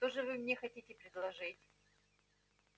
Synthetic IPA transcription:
t̪oʐɨvɨmnʲexɐtʲitʲɪpɾʲɪd̪lˠɐʐɨtʲ

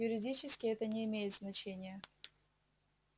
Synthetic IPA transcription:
jʊɾʲɪdʲit͡ɕɪskʲɪɛt̪ənʲɪɪmʲejɪt̪znɐt͡ɕenʲɪjə

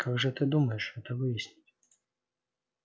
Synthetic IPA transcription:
kʰaɡʐɨt̪ɨd̪uməjɪʂɛt̪əvɨjɪsʲnʲɪtʲ

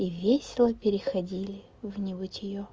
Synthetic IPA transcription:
ivʲesʲɪlˠəpʲɪɾʲɪxɐdʲilʲɪ | vnʲɪbɨtʲɪjo

